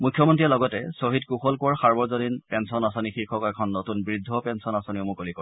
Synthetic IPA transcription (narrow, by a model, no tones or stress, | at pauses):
mujkʰːjɔmɔntɹiɛlɔɡɔtɛsoɦitkuxɔlkɔɹxaɹbɔɹzodinpɛnsɔnasɔnixiɹkʰɔkɔɛkʰɔnːotunbɹidʱːɔpɛnsɔnasɔniʊmʊkolikɔɹ